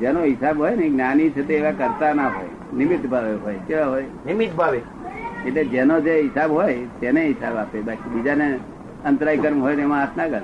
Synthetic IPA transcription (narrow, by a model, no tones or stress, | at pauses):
d͡ʒenoɦɪsabɦojneɡnanit͡ʃʰet̪eːʋakəɾt̪anaɦo̰j | nɪmɪt̪bʱaʋeɦojkeʋaɦojnɪmɪt̪bʱaʋe | eʈled͡ʒenod͡ʒeɦɪsabɦojt̪eneɦɪsabapebakibid͡ʒane | ənt̪ɾaikəɾmɦojt̪ɛmãat̪ʰnakəɾ